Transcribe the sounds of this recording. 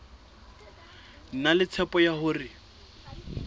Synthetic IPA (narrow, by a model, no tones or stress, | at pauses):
n̩nalɪt͡sʰɛpɔjahʊːrɪ